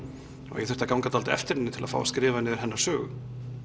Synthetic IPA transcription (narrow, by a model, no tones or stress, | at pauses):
ɔ̰ɣjɛ̰θɛ̥t̪akawŋkat̪ʰalt̪ɪɛ̰ft̪ɪɾɪnːɪt̪ʰɪlaðfa̰waskɾɪːvanɪðɪɾ̥ɦɛnːaɾ̥sœːɣʏ